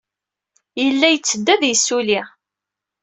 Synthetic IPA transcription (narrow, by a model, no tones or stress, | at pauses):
jəlːæjət͡sːəd̪ːæðjəsːuliʁ